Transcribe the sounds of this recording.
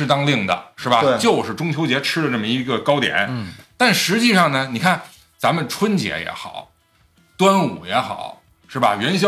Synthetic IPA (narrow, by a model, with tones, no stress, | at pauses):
ɻ̩˥˧t̪ɑ˥ŋli˥˩ŋd̪ə̰˩ʂɻ̩˥˩bɐ˩t͡ɕjo˥˧ʊʂɻ̩˥˩ʈ͡ʂʊ˥ŋt͡ɕʰjo˧˥ʊt͡ɕjɛ˧˥ʈ͡ʂʰɻ̩˥lə˧ʈ͡ʂə˥˩mə˩i˧˥ɡə˧kɑ˥ʊt̪jɛ̰˨˩˦nt̪a˥˩nʂɻ̩˧˥t͡ɕi˥˧ʂɑ˥˩ŋnə˩ni˨˩kʰa˥˩n | t͡sa˧˥mə˨nʈ͡ʂʰwə˥nt͡ɕjɛ̰˧˥jɛ̰˧˥xɑ̰˨˩˦ʊ | t̪wa˥nṵ˨˩jɛ˧˥xɑ̰˨˩˦ʊ | ʂɻ̩˥˩bɐ̰˩ɥɛ˧˥nɕ̬jɑ˥